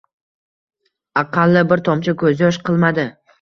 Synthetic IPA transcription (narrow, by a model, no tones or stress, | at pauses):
ɑqʰɑlˠːɪbɪɾt̪ʰɒmt͡ʃʰakʰɵzɪjɒʃqʰɨlˠmad̪ɪ